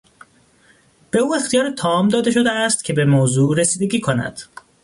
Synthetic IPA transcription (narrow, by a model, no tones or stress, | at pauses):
b̥e̞uːe̞xt̪ijɒːɾet̪ʰɒmd̪ɒːd̪e̞ʃo̞d̪eæst̪cʲʰe̞be̞moːzuːɾe̞siːd̪e̞ɟʲiːkʰo̞næ̰d̪̥